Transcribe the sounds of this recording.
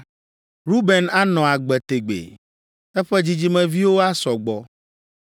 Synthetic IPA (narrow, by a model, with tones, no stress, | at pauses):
ɾu˦bɛ˨na˦nɔ̃˨a˨ɡ͡bɛ˨t̪e˨ɡ͡bḛ˨ | ɛ˦ɸɛ˦d͡ʑi˦d͡ʑi˦mɛ̃˦vi˦wo˦a˦sɔ˨ɡ͡bɔ˨